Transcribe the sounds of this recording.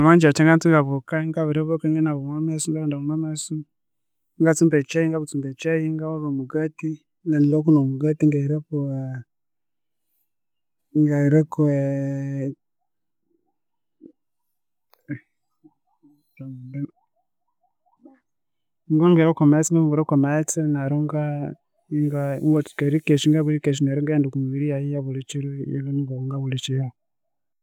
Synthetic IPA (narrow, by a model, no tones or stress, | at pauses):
amand͡ʒat͡ʃɛŋɡantuŋɡaβɔkaŋɡaβɛɾɛβɔkaŋɡɛnaβumamɛsuŋɡaandaβumamɛsu | ŋɡat͡sumbɛt͡ʃɛjiŋɡaβut͡sumbɛt͡ʃɛjiŋɡawaβɛmuɡati | nɛnlɔkunɔmuɡatiŋɡaiɾɛkɔ | ŋɡaiɾɛkɔɛ | ŋɡɔŋɡeɾakomat͡siŋɡaŋɡeɾokomat͡sinaɾuŋɡa | ŋɡaŋɡɔkaɾikeʃiŋɡaβuɾikeʃ̬inaɾuŋɡandukumuβiɾijajijaβulit͡ʃiɾuḭβuniŋɡouŋɡaβulit͡ʃija